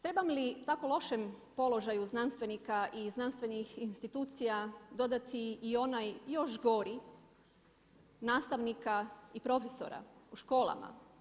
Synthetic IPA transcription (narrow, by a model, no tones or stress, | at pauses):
t̪ɾe̞bamlit̪ako̞lˠo̞ʃempo̞lo̞ʒajuznanst̪ʋenikaʔiznanst̪ʋe̞nixinst̪it̪uːt̪sijad̪o̞d̪at̪ʰiːo̞najjo̞ʃɡo̞ɾi | naːst̪aʋnikaipɾo̞feso̞̰ɾa̰uʃko̞ːlˠa̰ma̰